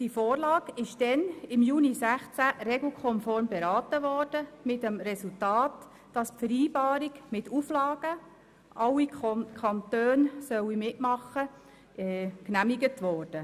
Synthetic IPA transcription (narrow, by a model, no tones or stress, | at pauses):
d̥ifoːrlɑːɡ̥ɪʃd̥ɛnɪmjuːnisæχt͡sæɾɛɡl̩kʰɔnfɔɾmbeɾɑːtəʋɔːrd̥əmɪtəmɾɛsultɑːt | d̥ɑspfəɾiːbɑːɾiɡmɪtuflɑːɡ̥ə | ʔɑwːikʰɑntøːnsœwimɪtmɑχːə | ɛknæmiɡətʋɔːɾd̥ə